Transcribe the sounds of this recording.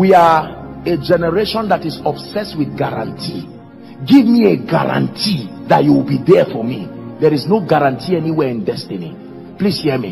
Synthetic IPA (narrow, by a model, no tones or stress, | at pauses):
wiaed͡ʒɛnɛɹeʃɔ̃ndatizɔbsɛswiθɡaɹã̰ntʰi | ɡivmieɡa̰ɹã̰ntʰiðatjuwibidɛfɔmidɛɹiznoɡaɹãntʰiɛniwɛĩndɛstinḭ | plishiɛmḭ